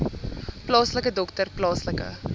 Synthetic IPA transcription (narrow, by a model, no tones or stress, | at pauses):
plɑːsləkədɔktərplɑːsləkə̰